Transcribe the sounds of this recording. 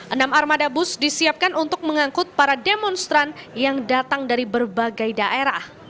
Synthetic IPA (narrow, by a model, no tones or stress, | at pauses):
ʔənamarmadabʊsdisiap̚kanʔunt̪ʊk̚məŋaŋkʊt̪̚paɾademɔnst̪ɾanjaŋdat̪aŋdaɾibərbaɡajdaʔeɾah